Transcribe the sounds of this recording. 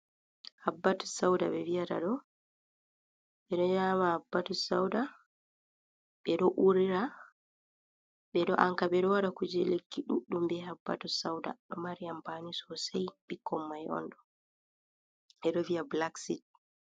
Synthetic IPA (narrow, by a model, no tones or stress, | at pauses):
habːatu̥sawda̰ɓɛviata̰ɗɔ | ɓɛɗɔɲamahabːatusa̰wda | ɓɛɗɔʔuɾiɾa | ɓɛɗɔʔaŋkaɓɛɗɔwaɾakud͡ʒɛlekʰːiɗṵɗːumbɛɦabːa̰tusawda̰ɗɔmaɾijambanisɔsajɓikʰːɔmːajɔ̰nɗɔ | ʔɛɗɔvijablaksit̚